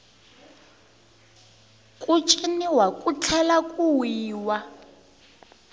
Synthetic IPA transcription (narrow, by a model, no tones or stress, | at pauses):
kʼut͡ʃʼiniwakʼut͡ɬʰɛlakʼuwiːwa